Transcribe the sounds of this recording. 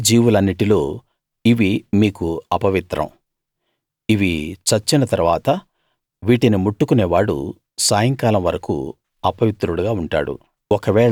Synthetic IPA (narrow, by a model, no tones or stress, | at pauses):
d͡ʒiːʋulɐnːiʈilo̞ː | iʋimiːkuɐpɐʋit̪ɾɐ̰m | iʋit͡ʃɐt͡ʃːinɐt̪ɐɾuʋaːt̪ɐ | ʋiːʈinimuʈːukuneːʋaːɽṵ | saːjɐŋkaːlɐmʋɐɾɐkṵ | ɐpɐʋit̪ɾuɽuɡaːuɳʈa̰ːɽṵ | ɔkɐʋɛːɭ